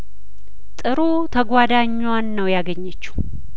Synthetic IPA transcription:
t̪ʼɨɾu | t̪ʰəɡʷad̪aɲːwanːəwjaɡəɲːət͡ʃːu̥

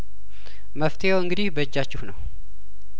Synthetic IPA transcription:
məft̪ʰejawɨŋɡɨd̪ihbəd͡ʒːat͡ʃːɪhnəw

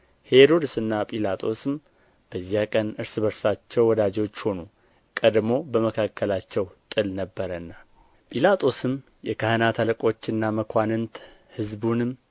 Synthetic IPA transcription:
he̞ɾo̞d̪ɨsɨnːapʼilat̪ʼo̞sɨm | b̥əzːijakʼənɨɾsɨbəɾsat͡ʃːɛwwɔd̪ad͡ʒo̞t͡ʃːho̞nu | kʼəd̪mo̞bəməkʰakʰːəlat͡ʃːɛwt̪ʼɨlnəbːəɾənːa | pʼilat̪ʼo̞sɨm | jɛkʰahɨnat̪ʰaləkʼo̞t͡ʃːɨnːaməkʰʷanɨnt̪ | hɨzbunɨm

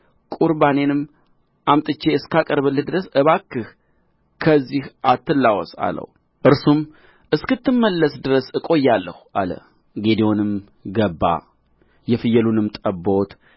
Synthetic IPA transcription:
kʼuɾbane̞nɨm | ʔamt̪ʼɨt͡ʃːe̞ɨskakʼəɾβɨlːɨd̪ɨɾəsɨβakːɨh | kʰəzːihʔat̪ːɨlːawɔ̰sa̰lə̰w | ʔɨɾsum | ʔɨskɨt̪ʰːɨmːəlːəsd̪ɨɾəsɨkʼo̞jːalːəhuʔa̰lə̰ | ɡe̞d̪ewonɨm | ɡəbːa̰ | jɛfɨjəlunɨmt̪ʼəbo̞t̪

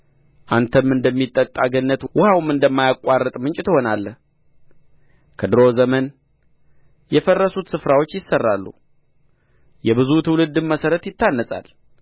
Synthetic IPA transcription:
ʔant̪ʰəmːɨnd̪əmːit̪ʼːət̪ʼːaɡənːət̪wʊhawmɨnd̪əmːajakʷʼːarːət̪ʼmɨnt͡ʃʼɪt̪ɨho̞nalː | kʰəd̪ɨɾo̞zəmən | jɛfərːəsut̪sɨfɾawo̞t͡ʃːjɪsːərːalːṵ | jɛbɨzut̪ʰɨwlɨd̪ːɨmːəsəɾət̪jɪt̪ʰːanːəsʼa̰l

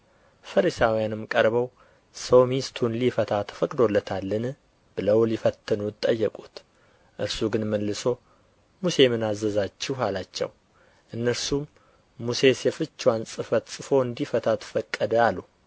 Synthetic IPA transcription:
fəɾisawijanɨmkʼəɾbəw | səwmist̪ʰunlifət̪ʰat̪ʰə̥fəkʼd̪o̞lːət̪ʰalːɨn | b̥ɨləwlifət̪ʰːɨnut̪ʼːəjːɛkʼut̪ | ʔɨ̰ɾsuɡɨnməlːɨso̞ | muse̞mɨnazəzat͡ʃːɪɦalat͡ʃːɛ̰w | ʔɨnːəɾsumː | use̞sjɛfɨt͡ʃːwansʼɨfət̪sʼɨfo̞ɨnd̪ifət̪ʰat̪fəkʼːəd̪əalu

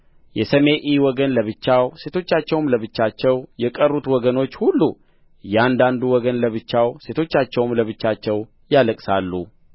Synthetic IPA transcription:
jɛsəme̞ʔiwɔɡənləβɨt͡ʃːawse̞t̪ʰo̞t͡ʃːat͡ʃːɛwmləβɨt͡ʃːat͡ʃːɛwjɛkʼərːut̪wɔɡəno̞t͡ʃːhulːu | jɛand̪and̪uwɔɡənləβɨt͡ʃːawse̞t̪ʰo̞t͡ʃːat͡ʃːɛwmləβɨt͡ʃːat͡ʃːɛw | jaləkʼsalːu

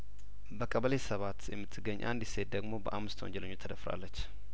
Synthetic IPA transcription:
bəkʼəβəlesəβat̪jɛmːɨt̪ʰːɨɡːəɲːʔa̰nd̪ise̞t̪̚d̪əɡmo̞bəʔamːɨst̪ʰwo̰ɲd͡ʒɛləɲːot͡ʃt̪ʰəd̪əfɾa̰lːət͡ʃː

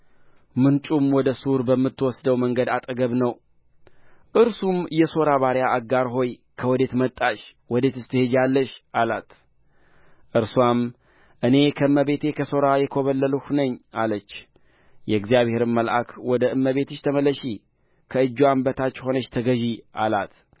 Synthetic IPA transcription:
mɨnt͡ʃʼumwɔd̪əsuɾbəmːɨt̪ːwɔsd̪əwməŋɡəd̪at̪ʼəɡəβnəw | ʔɨɾsumjɛso̞ɾaβaɾjaʔaɡːaɾɦo̞jkʰəwɔd̪e̞t̪mət̪ʼːaʃwɔd̪e̞t̪ɨst̪ʰɨhed͡ʒjalːəʃʔalat̪ | ʔɨɾswam | ʔɨne̞kʰəɨmːəβe̞t̪ʰe̞kʰəso̞ɾajɛkʰoβəlːəluhnəɲːalət͡ʃː | jɛɡzijaβhe̞ɾɨmːəlʔa̰kʰwɔd̪əʔɨmːəβe̞t̪ɨʃt̪ʰəməlːəʃi | kʰəɨd͡ʒːwambət̪ʰat͡ʃːho̞nəʃt̪ʰəɡəʒiʔa̰la̰t̪

